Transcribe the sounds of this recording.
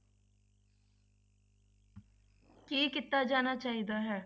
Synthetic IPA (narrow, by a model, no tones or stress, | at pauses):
kiːkɪt̪ːaːd͡ʒaːnaːt͡ʃaːɦiːd̪aːɦɛː